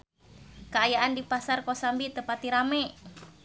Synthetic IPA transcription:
kəajaʔandipasarkɔsambit̪əpat̪iɾamɛ

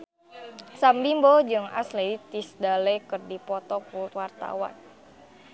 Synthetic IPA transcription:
sambimbɔd͡ʒɨŋa̰sleit̪isdalɛkɨrdipɔt̪ɔkuwart̪a̰wa̰n

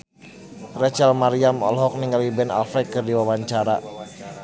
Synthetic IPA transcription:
rɛt͡ʃɛlmaɾiamɔ̰lɦɔk̚niŋɡalibɛna̰lfɛkɨrdiwawaɲt͡ʃaɾa̰

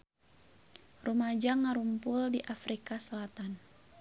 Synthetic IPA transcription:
rumad͡ʒaŋaɾumpuldiʔafɾikasəlat̪an

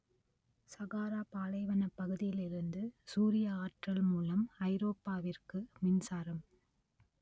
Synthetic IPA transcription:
sɐɣaːɾaːpaːlɐɪʋɐnɐpːɐɣɯðɪjɪlɪɾɯnd̪ɯsuːɾɪjɐaːʈrɐlmuːlɐmɐɪɾoːpːaːʋɪrkɯmɪnsaːɾɐm

